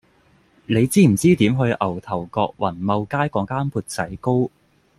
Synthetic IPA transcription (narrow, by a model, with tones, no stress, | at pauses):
ne˨˧jt͡siː˥m̩˨˩t͡siː˥t̪iː˨˥mɦɵ˧ɥʔɐ˨˩wt̪ʰɐ˨˩wkɔː˧k̚wɐ˨˩nmɐ˧wkaː˥jkɔː˨˥ŋkaː˥npʰuː˧t̚t͡sɐ˨˥jko˥w